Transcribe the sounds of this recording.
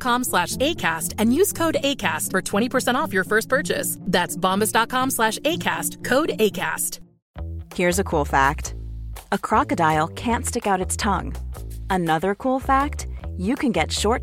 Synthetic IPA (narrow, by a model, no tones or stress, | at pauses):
kʰɑ̃mslæʃeɪkʰæstɨ̃njʉz̥kʰoʊɾeɪkʰæstfə˞tʰw̥ɛ̃ɾ̃ipʰə˞sɛ̃ɾ̃tɔfjə˞fɜ˞st̚pʰɜ˞t͡ʃɨ̰sðætsb̥ɑ̃mbɨsd̥ɑt̚kʰɑ̃mslæʃeɪkʰæstkʰoʊɾeɪkʰæ̰st | hiɹzɨkʰulˠfæktəkʰɹ̥ɑkɨdaɪl̩ˠkʰæ̃ntstɪkaʊɾɨtstʰʌ̰̃ŋənʌðə˞kʰulˠfæk̚tjɨkʰɨ̃nɡɛtʃɔɹt̚